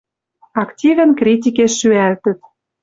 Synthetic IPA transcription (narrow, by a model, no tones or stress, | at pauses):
ɑktʲivə̆nkrʲit̪̬ʲikeʃːyælt̪ə̆t̪